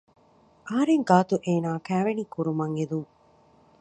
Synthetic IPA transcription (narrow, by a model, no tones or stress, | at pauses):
ʔɐɦɐɾeŋɡaːt̪uʔeːnaːkæːʋenikuɾumɐŋed̪uŋ